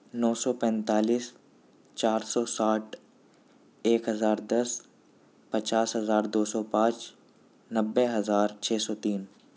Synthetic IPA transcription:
nɔːsɔpɛ̃ːnt̪aːliːs | t͡ʃaːɾsɔːsaːʈʰ | eːkɦɐzaːɾd̪ɐs | pɐt͡ʃaːsɦɐzaːɾd̪oːsɔpãːt͡ʃ | nɐbːeɦɐzaːɾt͡ʃʰɛːsɔːt̪iːn

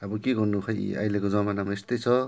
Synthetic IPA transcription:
abʌkeɡʌrnukʰʌj̰a̰jlekod͡zʌmanamaest̪ʌjt͡sʰʌ

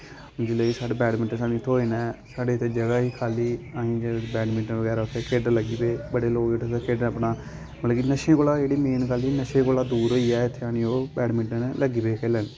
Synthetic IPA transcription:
d͡ʒɪleːiːsaːɖeːbɛːɖmɪʈəsaːnĩt̪ʰːoːiːnɛːsaːɖeːt̪ʰːeːd͡ʒəɡaːɦiːkʰaːliːaːĩːd͡ʒeːbɛːɖmɪʈəʋəɡɛːɾaːʊt̪ʰːekeːɖləɡiːbeːbəɽeːloːɡeʈːt̪ekeːɖnəpnaː | məlːkinəʃẽːkoːlaːd͡ʒeːɽiːmeːnkaːliːnəʃẽːkoːlaːd̪uːɾɦoːiːɛːt̪ʰːeaːnĩːoːbɛːɖmɪʈːnləɡiːbeːkʰeːlɛːn

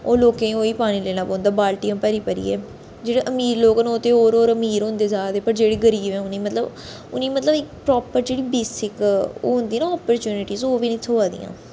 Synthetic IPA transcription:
oːloːkẽːoːiːpaːɽ̃iːleːnaːpɔ̃ːnd̪aːbaːlʈijãːpəɾiːpəɾḭːɛ̰ː | d͡ʒeːɽeːʔəmiːɾloːknoːt̪eːoːɾoːɾəmiːɾɦʊ̃nd̪eːzaːd̪eːpəɾd͡ʒeːɽeːɡəɾiːbɛ̃ːʊnĩːmət̪ləb | ʊnĩːmət̪ləbɪkpɾɔːpəɾd͡ʒeːɽiːbeːsɪko̰ːɦʊ̃nd̪iːnaːɔːpəɾt͡ʃuːnɪʈiːzoːʋiːnə̃ĩːsʰoaːd̪ḭjã̰ː

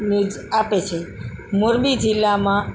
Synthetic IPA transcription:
nud͡ʒ | apet͡ʃʰemoɾbid͡ʒilːamã

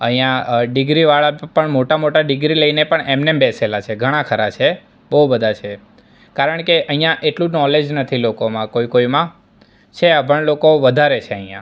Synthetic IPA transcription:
ə̰ɦĩjãɖɪɡɾiʋaɭapəɳmoʈamoʈaɖɪɡɾiləinepəɳemnembeselat͡ʃʰeɡʱəɽ̃ãkʰəɾat͡ʃʰe | bəɦubəd̪ʱat͡ʃʰe | kaɾəɳkeʔəɦijãʔeʈlũnɔled͡ʒnət̪ʰilokomãkoikoimã | t͡ʃʰeəbəɳlokoʋəd̪ʱaɾet͡ʃʰeəɦĩjã̰

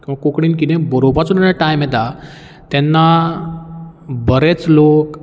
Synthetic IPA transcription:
kĩw̃ʋakokɽiːnkit̪ẽbəɾobat͡sunijaʈajmjɛt̪a | t̪ɛnːa | bəɾet͡slok

